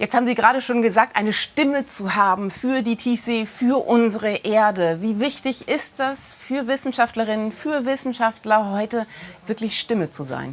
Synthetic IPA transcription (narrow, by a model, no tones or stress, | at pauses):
jɛt͡sthaːbm̩ziːɡəʁaːɾəʃoːnɡəzaːk̚tʔaɪnəʃtɪmət͡suhaːbm̩fyːɐdiːtʰiːfz̥eːfyːɐʔʊnzəʁəʔeːɐdəviːvɪçtɪçɪst̚d̥asfyːɐvɪsn̩ʃaftləʁɪnənfyːɐvɪsn̩ʃaftlɐɦɔʏtəvɪɐklɪçʃtɪmət͡suza̰ɪn